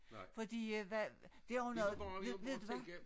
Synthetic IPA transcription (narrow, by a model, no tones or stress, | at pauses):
fɒ̽d̥ḭːʋæd̥e̝ɒʊnɔð̩ˠeʋe̝ð̰ˠd̥uʋæ